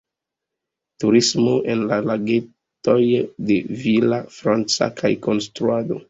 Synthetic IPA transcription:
tuɾismoʔe̞nlalaɡe | to̞jde̞vilafɾant͡sa̰kʰajko̞nstɾuado̰

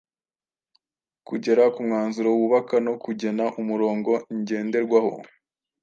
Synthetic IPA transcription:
kuɟe̞ɾakumŋaːnzuɾouβuβakano̞kuɟe̞naʔumuɾo̞ːŋɡo̞ɲɟe̞ːnde̞ɾɡwaho̞̰

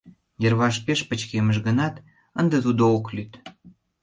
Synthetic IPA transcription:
jerβɑʃpeʃpət͡ɕkeməʃɣənɑt̪ | ənd̪et̪ud̪ooklyt̪

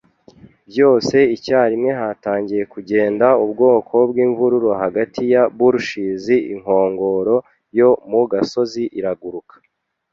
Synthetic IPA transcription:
bjo̞ːse̞icaːɾimŋe̞ɦataːɲɟije̞kuɟe̞ːndaubɡo̞ːkʰo̞bɡiːɱvuɾuɾoɦaɡatʰijabuɾuʃiːziiŋ̥o̞ːŋɡo̞ɾo̞ | jo̞muɡaso̞ziʔiɾaɡuɾukḁ

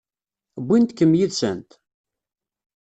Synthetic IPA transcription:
bʷːint̪kəmjiðsə̰nt̪

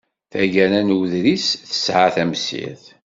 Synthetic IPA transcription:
θæʝæɾænwðɾisθə̥sʕaθæmsḭθ

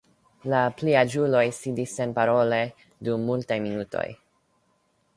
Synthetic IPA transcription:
lapliad͡ʒulo̞jsidisːe̞npaɾo̞le̞ | dumːultajminuto̞̰j

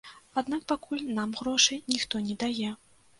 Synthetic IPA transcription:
ad̪nak̚pakulʲnamɣɾɔʂɨnʲixt̪ɔnʲɛd̪ajɛ

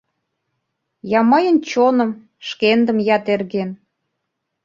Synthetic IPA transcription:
jɑmɑjə̆nt͡ɕonə̆m | ʃkend̪ə̆mjɑt̪erɣen

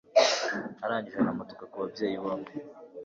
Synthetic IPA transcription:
aɾaːɲɟiʒenamoto̥kakuβabje̞ːjiβoːmɡe

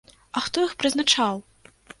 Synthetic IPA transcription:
ɐxt̪ɔixpɾɨznat͡ʂaw

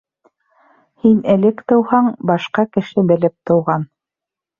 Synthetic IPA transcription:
hinɘ̆lɘkt̪ɤ̆whɑɴbɑʃqɑkɘ̆ʃɘbɘ̆lɘp̚t̪ɤ̆wʁɑn

